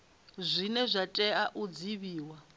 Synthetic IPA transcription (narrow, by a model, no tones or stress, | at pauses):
zʷinɛzʷatʼɛaʔud͡ziβiːwa